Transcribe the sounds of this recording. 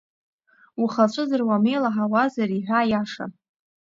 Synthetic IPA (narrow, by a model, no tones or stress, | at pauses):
uχat͡ʃʷʼɨzɨrwame̞jlaħawazariħʷᶣaːjaʂa̰